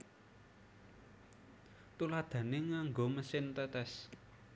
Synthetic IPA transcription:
t̪ulad̪̥ä̤neŋaŋɡoməsɪnt̪ɛt̪ɛs

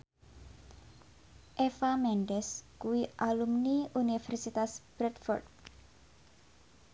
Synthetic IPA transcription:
ʔefamɛɳɖɛskuwiʔalumniunifɛrsit̪asb̥ɾɛt̪fɔ̰rt̪̚

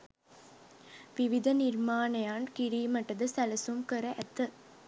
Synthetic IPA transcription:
ʋiʋid̪ʱɐniɾmaːnɐjaːnkiɾijmɐʈːɐd̪ɐsɐlɐsumkɐɾɐʔɛt̪ːɐ

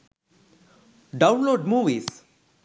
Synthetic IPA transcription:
ɖaʊ̃nloːɖmuːʋiːs

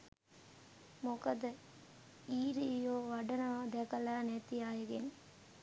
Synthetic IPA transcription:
mokɐd̪ə | iːɾijoːʋɐɖɐnaːʋd̪ɛkɐlaːnet̪iaːjeɡeŋ

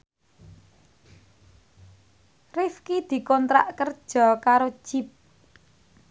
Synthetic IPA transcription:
rɪfkid̪̥i̤kɔnt̪ɾa̰ʔkərd̥ʒ̥ɔ̤kaɾo̥ʒ̥ip̚

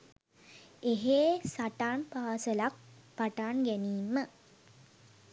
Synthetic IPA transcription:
eɦesaʈaːnpaːsəlak̚paʈaːnɡæniːmːə

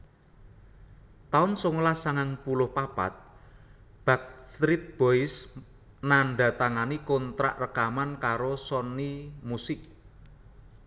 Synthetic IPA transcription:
t̪aʊnsoŋlasaŋaŋpulʊhpapa̰t̪̚ | b̥ak̚sɾɪt̪̚b̥o̤ɪs | naɳɖa̤t̪aŋanikɔnt̪ɾa̰ʔrəkamankaɾosɔnimusɪk̚

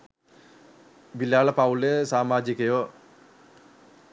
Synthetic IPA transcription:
bilaːɭɐpawlesaːmaːd͡ʑikɐjo

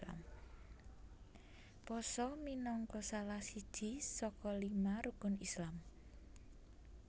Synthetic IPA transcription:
a̰m | pɔsɔminɔŋkɔsalahsid̥ʒ̥i̤sɔkɔlimaɾuɡ̥ʊ̤nislam

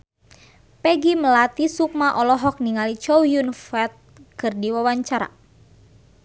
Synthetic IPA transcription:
pɛɡiməlat̪isuk̚maʔɔlɔɦɔk̚niŋalit͡ʃɔwjunfɛt̪̚ | kɨrdiwawaɲt͡ʃaɾa̰

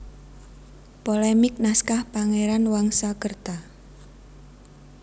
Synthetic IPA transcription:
polɛmɪk̚naskahpaŋeɾanwaŋsakərt̪a

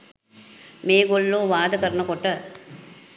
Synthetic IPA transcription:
meːɡolːoːʋaːd̪ɐkɐɾɐnɐkɔʈːɐ

